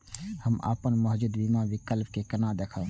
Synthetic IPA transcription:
həma̰ːpənməɦd͡ʒud̪bimãʋɪkəlp̚kekənãd̪eːkʰə

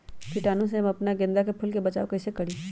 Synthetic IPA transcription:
pʰiʈaːnõs̬eɐmɐpnaɡẽnd̪akepʰʊlkebɐt͡ʃaːokɐːsekɐɽi

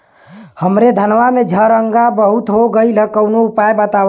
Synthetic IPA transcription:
həmɾed̪ʱənʋamed͡ʒʱəɾəŋɡabəɦut̪ɦoɡəilekəʊnoupaebət̪a

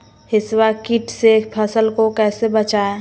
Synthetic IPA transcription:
hɪswakiʈsepʰəsəlkokɛːsebət͡ʃae

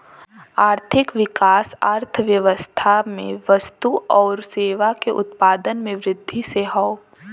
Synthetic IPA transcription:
aːɾt̪ʰɪkʋɪkaːsaːɾt̪ʰəʋjəʋəst̪ʰamḛ̃ʋəst̪uɔːɾseːʋakeʔʊ̰t̪paːd̪ənmẽʋɾɪd̪ʱːiseɦɔː

